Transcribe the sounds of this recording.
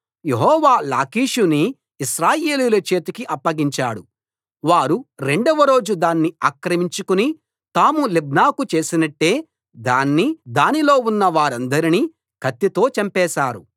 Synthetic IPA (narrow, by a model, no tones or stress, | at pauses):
jeɦɔːʋaːla̰ːkiːʂuniː | ʃɾaːje̞ːliːlɐt͡ʃe̞ːt̪ɐkiʔɐpːɐɡiɲt͡ʃaːɽu | ʋaːɾuɾe̞ɳɖɐʋɐɾo̞ːd͡ʒud̪aːnːiaːkɾɐmiɲt͡ʃukuni | t̪aːmulib̚naːkut͡ʃe̞ːsinɐʈːe̞ː | d̪aːnːid̪aːnilo̞ːunːɐʋaːɾɐnd̪ɐɾini | kʰɐt̪ːit̪o̞ːt͡ʃɐmpɛːʃaːɾu